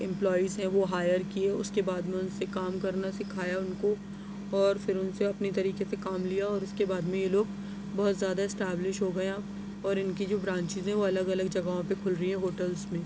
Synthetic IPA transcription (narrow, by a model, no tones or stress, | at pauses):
ɪ̃mplɔːizɦɛ̃ʋoɦaːjəɾkieʊ̰skebaːd̪mẽʊnsekaːmkɐɾnasekʰaːjaʊnko | ɔːɾfɪɾʊnseɐpnit̪ɐɾiːkesekaːmlijaɔːɾʊskebaːd̪mẽjeloːɡ | bɔɦʊt̪zjaːd̪aɪsʈɛːblɪʃɦoːɡɐjã | ɔːɾɪnkid͡ʒoːbɾãːɲt͡ʃɪzɦɛ̃ʋoɐləɡɐləɡd͡ʒɐɡaːɦõpekʰʊlɾɐɦiɦɛ̃ɦoːʈəlzmẽː